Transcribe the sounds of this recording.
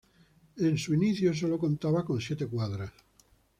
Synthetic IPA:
ensuiniθjos̬olokont̪aβakõnsjet̪ekwaðɾas

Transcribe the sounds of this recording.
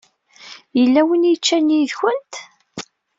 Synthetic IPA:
jəlːæwənjət͡ʃːæniðçənt̪

